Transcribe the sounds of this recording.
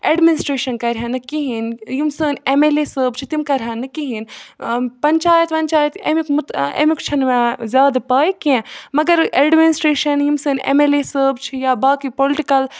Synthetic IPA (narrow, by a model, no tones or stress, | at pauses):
eɖminɪsʈɾeːʃɐnkɐɾʲɦanɨkiɦinjimsəːnemeleːsəːbt͡ʃʰit̪imkɐɾʲɦanɨkiɦin | pɐnt͡ʃaːjɐt̪ʋɐnt͡ʃaːjɐt̪ḛmikmut̪ḛmikt͡ʃʰɐnmẽzʲjaːd̪apaːikẽmɐɡɐɾeɖminisʈɾeːʃɐnjimsəːnḛmeːlesəːbt͡ʃʰijabaːkipolɪʈikɐl